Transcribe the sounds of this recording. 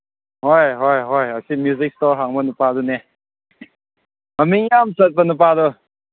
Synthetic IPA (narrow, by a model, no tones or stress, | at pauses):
hɔjɦɔjɦɔjasimjuzik̚stɔɾɦaŋbənupadunɛ | mamiŋjamsət̪̚bənup̬adɔ